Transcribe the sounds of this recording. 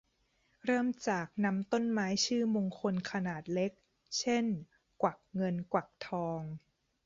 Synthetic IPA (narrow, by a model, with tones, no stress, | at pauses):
ɾɤː˥˩mt͡ɕaː˨˩k̚na˧˦˥mt̪o˥˩nmaː˦˥jt͡ɕʰɯː˥˩mo˧ŋkʰo˧nkʰa˧naː˨˩t̪̚le˦˥k̚ | t͡ɕʰe˥˩n | kwa˨˩k̚ŋɤ˧nkwa˨˩k̚t̪ʰɔː˧ŋ